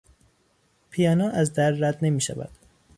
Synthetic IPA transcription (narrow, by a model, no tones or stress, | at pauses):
pʰijɒːnɒːʔæzd̪æɾːæd̪ne̞miːʃæ̰væ̰d̪̥